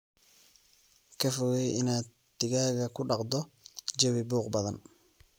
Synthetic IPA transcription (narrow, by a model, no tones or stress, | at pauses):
kɐfɔɣɛjɪnaː | t̪ɪɣaːɣɐkʊɖɑqd̪ɔd͡ʒɐwɪbuːqbɐðɐn